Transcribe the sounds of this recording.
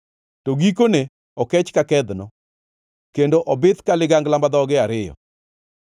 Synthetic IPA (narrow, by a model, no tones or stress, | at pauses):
toɡikone | ɔkɛt͡ʃkakɛd̪nɔ | kendoʔɔbɪt̪kalɪɡaŋɡlambad̪ɔɡɪaɾɪjɔ̰